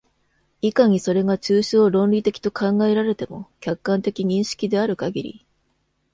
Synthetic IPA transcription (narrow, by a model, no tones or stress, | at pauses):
ikaɲ̟iso̞ɾe̞ɡat͡ɕɨːɕoːɾõ̞nɾʲit̪e̞kʲi̥t̪o̞kʰãŋɡae̞ɾaɾe̞t̪e̞mokʲakːãnt̪e̞kʲiɲ̟ĩɰ̃ɕi̥kʲid̪e̞aɾɯ̟kaɡʲiɾʲḭ